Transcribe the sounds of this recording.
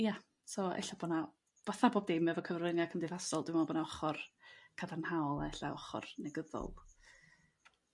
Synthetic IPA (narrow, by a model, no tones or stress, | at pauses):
ja | sɔɛ̰ɬabɔna | v̥aθaboːb̚dejmɛvɔkʰəvrvənjakʰəmdɪðasɔlˠdɪmɔbɔnaɔχɔrkʰadarnhawlˠa̰ɛɬaɔ̰χɔ̰rnɛɡəðɔ̰lˠ